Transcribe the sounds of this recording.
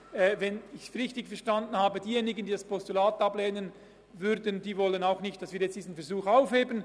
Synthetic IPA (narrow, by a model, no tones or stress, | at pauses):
ɛːvɛnɪçʁɪçtɪɡfɛɐʁʃtɑndən̩haːbədiːjeːnɪɡən̩diːdaspɔstulaːtɑbleːnən | vʏɾdən̩d̥iːvɔlənaʊxnɪçt̚d̥ɑsviːɐjɛt͡std̥iːzn̩fɛɐɾzuːxaʊfheːbən